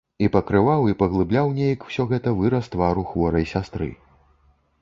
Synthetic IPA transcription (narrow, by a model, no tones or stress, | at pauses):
ipɐkɾɨvawipɐɣlˠɨblʲawnʲejɐkw̥sʲɔɣɛt̪ɐvɨɾɐst̪vaɾuxvɔɾɐjsʲast̪ɾɨ̰